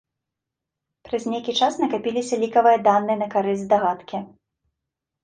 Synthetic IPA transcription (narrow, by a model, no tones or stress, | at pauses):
pɾɐzʲnʲejkʲit͡ʂasnɐkapʲilʲisʲɐlʲikɐvɨjɐd̪anːɨnɐkaɾɨzʲd̪aɣat̪kʲɛ